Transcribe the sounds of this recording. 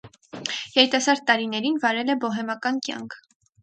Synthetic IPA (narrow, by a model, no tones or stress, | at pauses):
jɛɾit̪ɑsɑɾd̪̚t̪ːɑɾinɛɾinvɑɾɛlɛbɔɦɛmɑkɑnkjɑ̰ŋkʰ